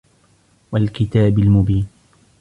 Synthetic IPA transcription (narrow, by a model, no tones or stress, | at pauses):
walkɪt̪aːbɪlmʊbiːn